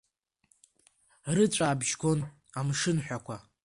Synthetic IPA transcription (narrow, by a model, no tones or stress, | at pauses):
rɨt͡ʃʷʼaːbʒɡo̞n | amʂɨnħʷᶣakʷʰa